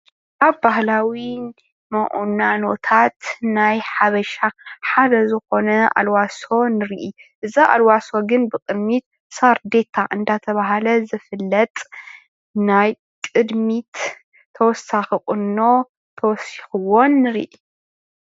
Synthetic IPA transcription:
kaβbahlawi | mɐʔʼunano̞t̪ʰat̪najħaβɐʃaħad̪ɐzɨxo̞nɐa̰lwaso̞nɨɾiʔiʔɨzaʔa̰lwaso̞ɡɨnbɨkʼɨd̪mit̪̚ | saɾd̪e̞t̪ʰaʔɨnd̪at̪ʰɐβaɦalɐzɨfɨlːɐt̪ʼ | naj | kʼɨd̪mit̪ʰː | ɐwɔsaxɨχʼɨnːo̞ | t̪ʰɐwɔsixɨwonːɨɾḭʔi

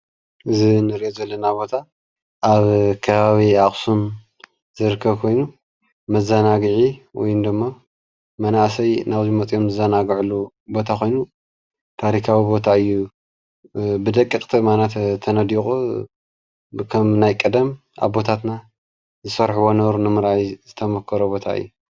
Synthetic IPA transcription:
ʔɨzinɨɾiʔozɐlːɐnabo̞t̪ʰa | ʔaβkʰɐβaβiaχʼsum | zɨɾɨkʰːɐβkʰo̞jnu | mɐzɐnaɡʕiwɔ̰jnd̪ɨmːa | mɐnaʔsɐjnaβzimɐt͡sʼjo̞mzɨzɐnaɡʕulːu | bo̞t̪ʰakʰo̞jnu | t̪ʰaɾikʰawibo̞t̪ʰaɨjːu | bɨd̪ɐkʼːɨkʼt̪ʰimanat̪t̪ʰɐnɐd̪ixʼu | kʰɐmnajkʼɐd̪ɐm | ʔa̰βbo̞t̪ʰat̪na | zɨsɐɾħuwonɐβɾunɨmɨɾʔajzɨt̪ʰɐmɐkʰːɐɾobo̞t̪ʰa̰ɨ̰jːu

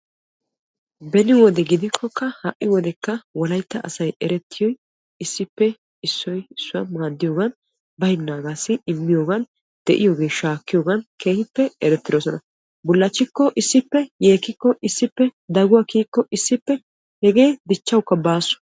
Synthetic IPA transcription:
bɛnɪwɔd̪ɛɡɪd̪ɪkʰːɔkːɐhɐʔːɪwɔd̪ɛkːɐwɔlɐjt̪ːɐʔɐ̰sɐjɛɾɛt̪ʰːɪjɔj | ɪsːɪpːɛ | ɪsːɔjɪsːʊwɐmaːd̪ːɪjo̞ːɡɐn | bɐjnːaːɡaːsɪɪmːɪjo̞ːɡɐn | d̪̥ɛʔɪjoːɡe̞ːʃaːkːɪjoːɡɐnkʰe̞ːhɪpːɛɛɾɛt̪ːɪd̪oːsɔnɐ | bʊlːɐt͡ʃːɪkːɔʔɪsːɪpːɛje̞ːkːɪkːɔʔɪsːɪpːɛd̪ɐɡʊwaːkiːkːɔʔɪsːɪpːɛ | hɛɡe̞ːd̪ɪt͡ʃːɐwkːɐbaːsʊ̥

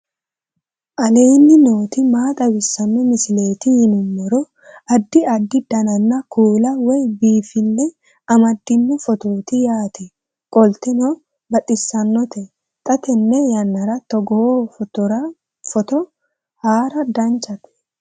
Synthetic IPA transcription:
ʔɐleːnːɪno̞ːt̪ɪmaːt̪ʼɐwɪsːɐnːɔmɪsɪle̞ːt̪ɪhɪnʊmːɔɾɔ | ɐd̪ːɪɐd̪ːɪd̪̥ɐnɐnːɐkʰuːlɐwɔjbiːfɪnːɛ | ɐmɐd̪ːɪnːʊfɔt̪oːt̪ɪjaːt̪ʰɛ | kʼɔlt̪ɛnɔ | bɐt̪ʼːɪsːɐnːɔt̪ɛ | t̪ʼɐt̪ɛnːɛjɐnːɐɾɐt̪ɔɡɔofɔt̪ɔɾɐ | fɔt̪ɔ | haːɾɐd̪ɐnt͡ʃːɐt̪ɛ̥

